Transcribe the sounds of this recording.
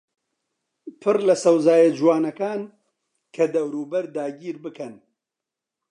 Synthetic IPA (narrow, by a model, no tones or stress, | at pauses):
pʰɨrlɐsɐwzaːjɐd͡ʒwaːnɐkaːn | kʰɐd̪ɐwɾuːbɐɾd̪aːɡiːɾbɨkʰɐn